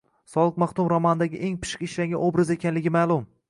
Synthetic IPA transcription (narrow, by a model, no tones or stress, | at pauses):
sɒlˠɨq̚maχt̪ʊmɾɒmand̪aɡʲɪʔeŋpɪ̥ʃqʲɪʃlaŋɡʲanobɾaze̞kʲʰanlɪɡʲɪmaːlˠʊm